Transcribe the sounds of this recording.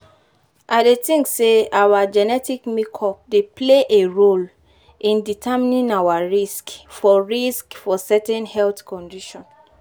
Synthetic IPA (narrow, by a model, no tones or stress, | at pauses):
ʔadetĩŋkseawad͡ʒɛnɛtikmikʰɔp̚depleʔeɹol | ʔĩnditʰɛminĩŋawaɹiskfɔɹiskfɔsɛtɛ̃nhɛltkɔ̃ndiʃɔ̃n